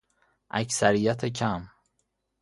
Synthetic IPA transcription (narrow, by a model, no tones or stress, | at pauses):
ʔæ̰csæɾijæt̪ʰecʰæm